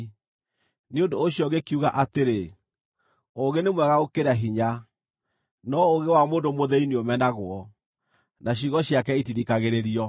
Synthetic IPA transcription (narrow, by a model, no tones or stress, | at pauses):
neondoːɕjɔɡekiuɣaʔateɾe | oɣenemwɛɣaokeɾaɦiɲa | nɔoɣewamoːndomoðɛiniomɛnaɣwɔ | naɕ̬iɣɔɕiakɛitiðikaɣeɾeɾiɔ